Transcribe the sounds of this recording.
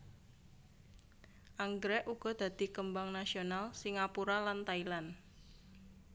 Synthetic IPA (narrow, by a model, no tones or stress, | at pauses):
ʔaŋɡɾɛʔuɡ̥ɔ̤d̪̥a̤d̪̥i̤kəmbaŋnasionalsiŋapuɾalant̪ailan